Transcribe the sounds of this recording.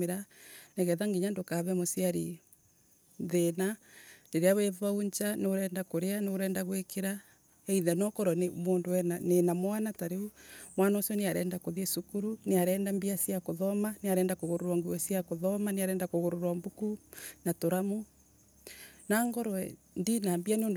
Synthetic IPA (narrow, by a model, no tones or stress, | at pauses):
eɾaneɣɛðaŋɡiɲandokaβɛmosiaɾi | ðenandeɾeaweβauɲt͡ʃaneoɾɛːndakoɾeaneɾɛːndaɣwekeɾa | ɛiðɛnɔkɔɾɔnemoːndowɛnanenamwanataɾeumwanaosiɔneaɾɛːndakoðiɛsukuɾuneaɾɛːndambiasiakoðɔmaneaɾɛːndakoɣoɾoɾwaŋɡuɛsiakoðɔmaneaɾɛːndakoɣoɾoɾwambukunatoɾamo | naːŋɡɔɾɔɛ | ndinambianeon